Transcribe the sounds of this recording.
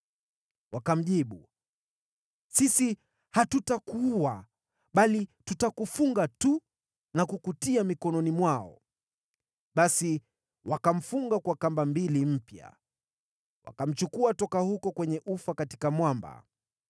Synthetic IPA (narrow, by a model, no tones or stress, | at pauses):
wakam̩ʄiɓu | sisi | hatutakuua | ɓalitutakufuŋɡatu | nakukutiamikɔnɔnimwaɔ̰ | ɓasi | wakam̩fuŋɡakwakambambilim̩pja̰ | wa̰kam̩t͡ʃukuatɔkahukɔkwɛɲɛʔufakati̥kamwamba̰